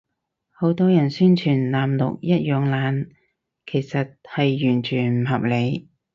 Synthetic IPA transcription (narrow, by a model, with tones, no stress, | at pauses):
ho˨˥wt̪ɔː˥jɐ˨˩nsyː˥nt͡ʃʰyː˨˩nlaː˨mlʊ̰˨k̚jɐ˥t̚jœː˨˧ŋlaː˨˥n | kʰe˨˩jsɐ˨t̚hɐ˨jːyː˨˩nt͡ʃʰyː˨˩nm̩˨˩hɐ˨p̚le˨˧j